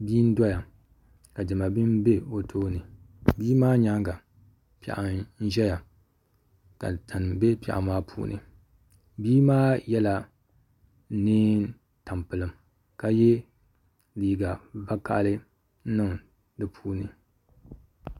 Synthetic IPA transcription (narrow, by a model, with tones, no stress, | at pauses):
biː˦n̩˦dɔ˦ja˨ | ka˨dɨ˨ma˨bɨ˦mbe˦o˨tʰoː˦nɨ˨ | biː˦maː˦ɲa˦ŋɡa˨ | pɛ̰˨ʔa˨n̩˦ʒɛ˦ja˨ | ta˨tʰa˨n˨be˦pɛ̰˨ʔa̰˨maː˦pʰṵː˦nɨ̰˨ | biː˦maː˦jɛ˦la˨˦ | niː˦ | ta˨mpɨ˨lɨ˨m | ka˨jɛ˦ | liː˨ɡa˨va˦ka̰˦ʔlɨ˦ | nɨ˦˨ŋ | dɨ˨pʰuː˦nɨ˨